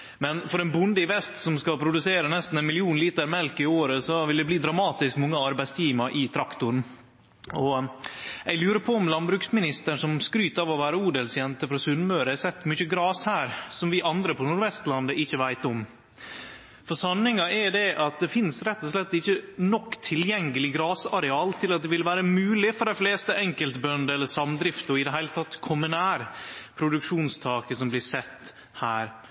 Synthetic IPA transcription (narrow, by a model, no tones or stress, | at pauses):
mɛnfɔɾɛnbʊnd̪əɪʋɛst̪sɔmskɑpʰɾʊd̪ʉseːɾənɛst̪n̩ɛnmɪlɪuːnliːt̪əɾmɛlkɪoːɾəsɔʋɪld̪ɛbliːd̪ɾɑmɑːt̪ɪskmɔŋːəɑɾbæɪst̪ʰiːmɑʔɪt̪ʰɾɑkt̪ʊɾn̩ | ɔ | æɪlʉːɾəpʰɔɔmlɑnbɾʉːksmɪnɪst̪əɳʂɔmskɾyːt̪ɑːʋɔʋæːɾəuːd̪ɛlsjɛnt̪əfɾɑsʉnmøːɾəɛsɛt̪ːmʏçəɡɾɑːshæːɾsɔmʋɪʔɑnd̪ɾəpʰɔnuːɾʋɛst̪lɑnd̪əʔɪçːəʋæɪt̪ɔm | fɔsɑnːɪŋɑʔɛd̪ɛʔɑt̪̚d̪ɛfɪnsɾɛt̪ːɔslɛt̪ːɪçːənɔkːt̪ʰɪljɛŋːəlɪɡɾɑːsɑɾɛɑːlt̪ʰɪlɑt̪̚d̪ɛʋɪlʋæːɾəmʉːlɪfɔɾɖæɪfleːst̪əʔɛŋkəlt̪bœnd̪əɛlːəsɑmd̪ɾɪft̪ɔɪd̪ɛɦæɪlət̪ʰɑt̪ːkʰʊmʉnæːɾpʰɾʊd̪ʉkʂuːnst̪ʰɑːkəsɔmblɪsɛt̪ː | hæːɾ